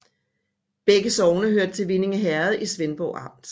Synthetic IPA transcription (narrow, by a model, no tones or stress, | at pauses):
b̥eɡ̥əsɒʊnəɦøɐ̰d̥ət͡sʰe̝lʋine̝ŋəɦæɐð̞̩ˠʔisʋenb̥ɒʊɑ̈m̰d̥